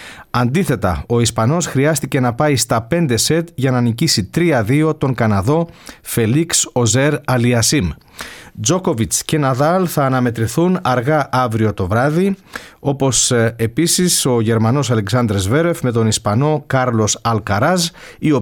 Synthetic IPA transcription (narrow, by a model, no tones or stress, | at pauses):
ɐnd̪iθe̞t̪ɐ̰o̞ispɐno̞sxɾiɐst̪ice̞nɐpɐist̪ɐpe̞nd̪e̞se̞t̪ʝɐnɐnicisit̪ɾiɐðio̞t̪o̞ŋkɐnɐðo̞fe̞likso̞ze̞ɾɐliɐsim | d͡zo̞ko̞vit͡sce̞nɐðɐlθɐːnɐme̞t̪ɾiθunɐɾɣɐʔɐvɾio̞t̪o̞vɾɐðio̞po̞se̞pisiso̞ʝe̞ɾmɐno̞sɐle̞ksɐnd̪ɾezve̞ɾe̞fme̞t̪o̞nispɐno̞kɐɾlo̞sɐlkɐɾɐz | io̞